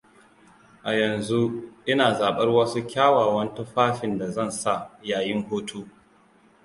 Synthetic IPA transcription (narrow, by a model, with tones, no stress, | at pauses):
ʔa˨jɐ˨nzu˦ʔɪ˦naː˨zaː˨ɓɐ˦rwɐ˦su˦kʲaː˦waː˨wɐ˦ntʊ˦ɸaː˦ɸɪ˨nda˨zɐ˦˨nsa˦˨jaː˨jɪ˦ŋhoː˦tʰuː˦